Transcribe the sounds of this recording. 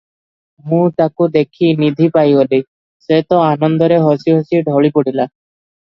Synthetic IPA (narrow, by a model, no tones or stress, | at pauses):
mũt̪akud̪ekʰinid̪ʱipajoli | set̪ɔanɔnd̪ɔɾeɦɔsiɦosiɖʱɔɭipoɽila